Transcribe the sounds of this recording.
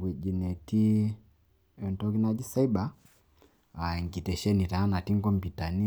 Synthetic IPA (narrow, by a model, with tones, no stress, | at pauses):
wɛ˨d͡ʒi˨nɛ˨ti˦ | ɛ˨ntɔ˦ki˦na˦d͡ʒi˦sa˦i˦ba˨˦ | a˨i˨ŋɡi˨tɛ˨ʃɛ˦ni˨ta˨a˦na˨ti˦ŋkɔ˦mbi˨ta˨ni˦